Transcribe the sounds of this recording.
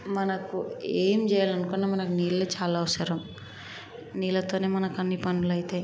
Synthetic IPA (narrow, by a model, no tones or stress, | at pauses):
mɐnɐkueːmd͡ʒɛjalɐnukunːamɐnɐkuniːlɐleːt͡ʃaːlaːʋɐsɐɾɐm | niːlɐt̪oːne̞ːmɐnɐkɐnːipɐnːulɐjit̪eː